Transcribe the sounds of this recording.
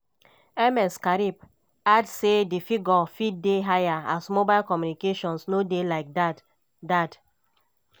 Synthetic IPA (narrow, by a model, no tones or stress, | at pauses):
ɛmɛskaɾib̚ | adsedifiɡɔfideɦajaasmobaɪlkɔmjunikeʃɔ̃nsnodelaɪk̚dat | dat